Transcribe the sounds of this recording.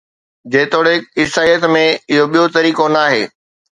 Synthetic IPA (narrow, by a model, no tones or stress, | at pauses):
d͡ʑẽːt̪oːɽeɪsaːijət̪mẽɪɦoɓijot̪ɐɾiːkonaːɦḛː